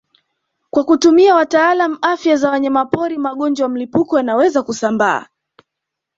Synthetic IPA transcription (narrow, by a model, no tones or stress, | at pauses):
kwakutumiawataːlamuʔafjazawaɲamapɔɾimaɠɔnd͡ʒwaam̩lipukɔjanawɛzakusamba̰ː